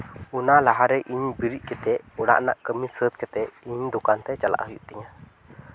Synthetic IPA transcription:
unalaɦaɾɛʔiɲbiɾiʔ̚kɛt̪ɛʔɔɽa̰ʔna̰ʔkəmisət̪̚kɛt̪ɛʔiɲd̪ɔkant̪ɛt͡ʃala̰ʔɦujṵʔt̪ɛɲa

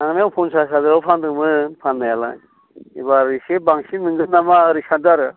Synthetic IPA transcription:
naŋnampʰunsas̬adɯapʰandɯmɯpʰanːajala̰ | ibaɾisebaŋsinɯŋɡɯnːamaɾisandaɾɯ

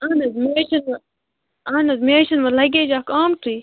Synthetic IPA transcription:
anɐzmeʃɐnɐ | aːnɐzmeːʃɐnʋɐlɐɡʲed͡ʒaːkaːmtiː

